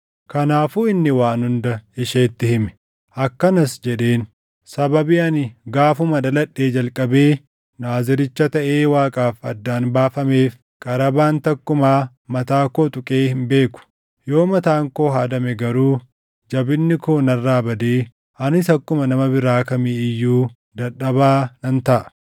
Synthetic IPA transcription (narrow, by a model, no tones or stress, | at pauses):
kɐnaːfuːɪnːɪwaːnhʊnd̪ɐɪʃeːt̪ːɪhɪmɛ̥ | ʔɐkːɐnɐsd͡ʒɛᶑe̞ːn | sɐbɐbiɐnɪɡaːfʊmɐd̪ɐlɐᶑːe̞ːd͡ʒɐlkʼɐbe̞ː | naːzɪɾɪt͡ʃːɐt̪ɐʔeːwaːkʼaːfɐ̰d̪ːaːnbaːfɐme̞ːf | kʼɐɾɐbaːnt̪ɐkːʊmaː | mɐt̪aːkoːt̪ʼʊkʼe̞ːhɪnbe̞ːkʊ̥ | jo̞ːmɐt̪aːŋko̞ːɦaːd̪ɐmɛɡɐɾuː | d͡ʒɐbɪnːɪkoːnɐrːaːbɐd̪eː | ʔɐnɪt̪ɐkːʊmɐnɐmɐbɪɾaːkɐmeːɪjːuː | d̪ɐɗɐbaːnɐnt̪ɐʔɐ̥